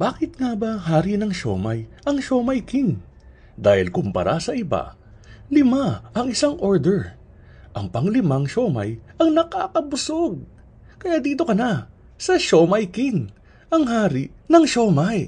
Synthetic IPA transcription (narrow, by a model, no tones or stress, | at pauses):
b̥aːkɪt̪̚ŋabaɦaːɾinɐŋʃo̰ːmɐjʔɐŋʃoːmɐjkiŋ | d̪aːhɪlkʊmpɐ̰ɾʔasɐʔɪba̰ | lɪmaʔɐŋɪsaŋʔoɹd̪ɛɹ | ʔɐŋpɐŋlɪmaŋʃomɐ̰jʔɐŋnɐkaːkɐbʊsoɡ̚ | kɐjaːd̪iːt̪okɐna | sɐʃomɐjkɪŋ | ɐŋɦaːɾinɐŋʃoːmaj